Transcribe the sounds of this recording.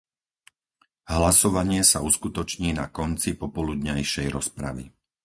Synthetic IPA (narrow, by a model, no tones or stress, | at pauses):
ɦlasɔʋaɲɪɛsauskut̪ɔt͡ʃɲiːnakɔnt͡sipɔpɔlud̪ɲajʃɛjɾɔspɾa̰ʋḭ